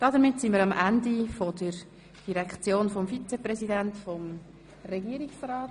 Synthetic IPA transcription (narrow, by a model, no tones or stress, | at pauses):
d̥ɑdəɾmɪtsɪnmiːɾɑmʔændifodəɾ | d̥iɾɛkt͡sjoːnfɔmfit͡sɛprɛzidæntfɔm | rɛɡiəɾiksraːt